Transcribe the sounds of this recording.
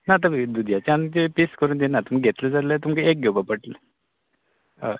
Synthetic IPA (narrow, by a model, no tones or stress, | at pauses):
nat̪̬əid̪ud̪ʱjat͡ɕaant̪episkəɾuːnd̪ienat̪umkɡʱet̪ləd͡zalət̪umkeek̚ɡʱowbapəʈlə | ə